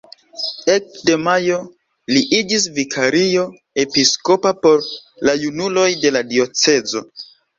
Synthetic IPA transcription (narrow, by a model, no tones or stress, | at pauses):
e̞k̚de̞majo̞ | liʔid͡ʒisvikʰaɾijo̞ | e̞pisko̞papo̞ɾlajunulo̞jde̞ladio̞t͡se̞zo̞̰